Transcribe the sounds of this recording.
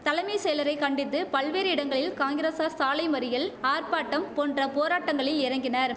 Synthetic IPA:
t̪ɐlɐɪmisɛjlɐɾɐɪkɐɳɖɪt̪ːɯpɐɭʋeːɾɪɽɐŋɡɐɭɪlkaːŋɡɪɾeːsaːsaːlɐɪmɐɾɪjɪlaːrpaːʈːɐmpoːndrɐpoːɾaːʈːɐŋɡɐɭɪlɪɾɐŋɡɪnɐɾ

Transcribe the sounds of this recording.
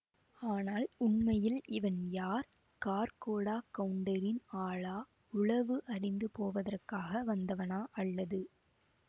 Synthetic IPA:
aːnaːlʊɳmɐjɪlʔɪʋɐnjaːɾ | kaːɾkoːɽaːkɐɳɖɐɾɪnaːɭaː | ʊɭɐʋɯʔɐɾɪnd̪ɯpoːʋɐðɐrkaːɣɐʋɐnd̪ɐʋɐnaːʔɐɭːɐðɯ

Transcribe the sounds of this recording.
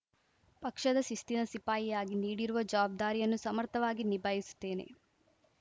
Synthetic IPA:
pɐkʂɐd̪ɐsist̪inɐsipaːjijaːɡiniːɽiɾuʋɐd͡ʒɐʋaːb̚d̪aːɾijɐnːusɐmɐɾt̪ɐʋaːɡinibaːjisu̥t̪ːe̞ːne̞̰

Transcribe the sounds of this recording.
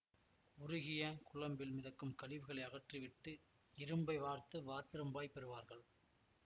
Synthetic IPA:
ʊɾʊɣɪjɐkʊɭɐmbɪlmɪðɐkːɯmkɐɭɪʋɯɣɐɭɐɪɐɣɐʈriʋɪʈːɯ | ɪɾɯmbɐɪʋaːɾt̪ɯʋaːɾtɪɾɯmbaːjpɛɾɯʋaːɾɣɐɭ

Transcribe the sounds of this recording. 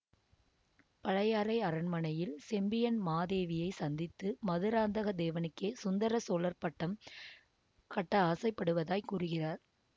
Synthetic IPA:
pɐɻɐjaːɾɐɪɐɾɐnmɐɳɐjɪlsɛmbɪjɐnmaːðeːʋɪjɐɪsɐnd̪ɪt̪ːɯmɐðɯɾaːnd̪ɐɣɐd̪eːʋɐnɯkːeːsʊnd̪ɐɾɐsoːlɐɾpɐʈːɐm | kɐʈːɐaːsɐɪpːɐɽɯʋɐðaːjkuːrɯɣɪraːɾ

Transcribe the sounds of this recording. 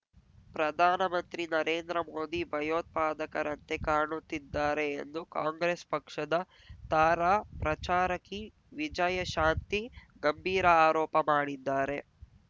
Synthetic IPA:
pɾɐd̪ʱaːnɐmɐnt̪ɾinɐɾeːnd̪ɾɐmoːd̪ibʱɐjoːt̪̚paːd̪ɐkɐɾɐnt̪e̞kaːɳut̪ːid̪ːaːɾe̞̰ːnd̪ukaːŋɡɾespɐkʂɐd̪ɐ | t̪aːɾaːpɾɐt͡ʃaːɾɐkːi | ʋid͡ʒɐjɐʃaːnt̪i | ɡɐmbʱiːɾɐaːɾɔːpɐmaːɽid̪ːaːɾe̞

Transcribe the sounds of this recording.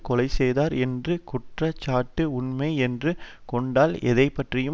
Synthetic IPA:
kɔlɐɪsɛjðaːɾɛndrɯkʊʈrɐt͡ʃːaːʈːɯʊnmɐɪɛndrɯ | kɔɳɖaːlɛðɐɪpːɐʈrɪjɯ

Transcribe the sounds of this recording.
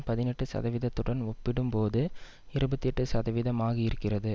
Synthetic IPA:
pɐðɪnɛʈːɯsɐ̰ðɐʋɪðɐt̪ːɯɽɐnɔpːɪɽɯmpoːðɯ | ɪɾɯbɐt̪ːiɛʈːɯsɐðɐʋɪðɐmaːɣiɪɪɾɯkːɪrɐðɯ

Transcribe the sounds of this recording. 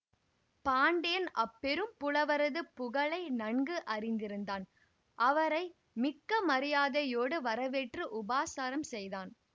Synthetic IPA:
paːɳɖɐjɐnʔɐpːɛɾɯmpʊɭɐʋɐɾɐðɯpːʊɣɐɭɐɪnɐɳɡɯʔɐrɪnd̪ɪɾɯnd̪aːn | ʔɐʋɐɾɐɪ | mɪkːɐmɐɾɪjaːðɐjoːɽɯʋɐɾɐʋɛʈrɯʔʊbaːsaːɾɐmsɛjðaːn

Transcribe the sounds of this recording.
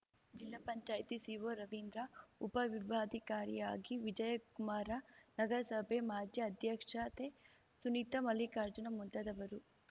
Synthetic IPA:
d͡ʒilːapɐɲt͡ʃaːjt̪isiːʋoːɾɐʋind̪ɾɐupɐʋibʱaːd̪ʱikaːɾjḭjaːɡiʋid͡ʒɐjɐkumaːɾɐnɐɡɐɾɐsɐbʱemaːd͡ʒ̪ʱjɐːd̪ʱjɐkʂɐt̪e | sunit̪ɐmɐlikaːɾd͡ʒɐnɐmunt̪ɐd̪ɐʋɐɾu

